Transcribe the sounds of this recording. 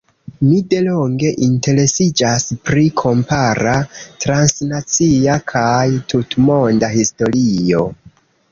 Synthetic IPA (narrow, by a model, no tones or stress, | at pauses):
mide̞lo̞ŋɡe̞ʔinte̞ɾe̞sid͡ʒaspɾikʰo̞mpaɾatɾansnat͡siakʰajtʰutmo̞ndahisto̞ɾio̞